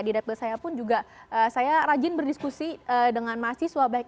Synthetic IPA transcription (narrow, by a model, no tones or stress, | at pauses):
didap̚t̪ɔrsajapʊnd͡ʒuɡaʔəsajaɾad͡ʒɪnbərdiskusiədəŋanmasiswabaik̚